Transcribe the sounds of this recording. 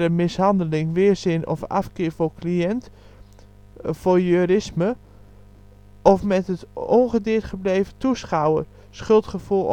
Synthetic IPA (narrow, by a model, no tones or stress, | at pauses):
ɾəmɪsɦɑndəlɪŋʋɪərzɪnɔ̰fa̰fkɪːɹvokʰliɛnt | fojøːɾɪsmə | ɔfmɛtətɔŋχədɪətχəbleːvətʰusχawə | sχɵlˠtχəfulˠ